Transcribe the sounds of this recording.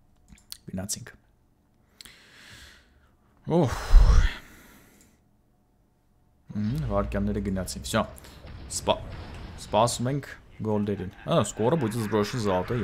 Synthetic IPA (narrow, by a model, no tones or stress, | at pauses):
ɡ̥ənɑt͡sʰiŋkʰ | ɔh | h̩vɑɾkjɑnːɛɾəɡənɑt͡sʰiŋkʰt͡ʃʰɑspspɑsumɛŋkʰɡɔld̪ɛɾinaskɔɾəbut͡s̪ɛzbɾɔʃənzɑt̪ɛ